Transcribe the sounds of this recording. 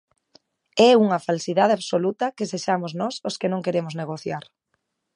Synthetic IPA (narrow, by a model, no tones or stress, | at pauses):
ɛuŋɐfalsiðað̞eaβsolut̪ɐkɪseʃamʊznɔsoskenõŋkeɾemʊzneɣoθjaɾ